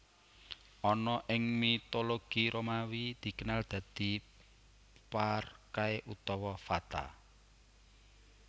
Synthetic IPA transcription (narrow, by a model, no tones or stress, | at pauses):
ʔɔnɔʔɪŋmit̪oloɡ̥iɾomawid̪̥i̤kənald̪̥ä̤d̪̥i̤ | parkaeʔut̪ɔwɔfat̪a̰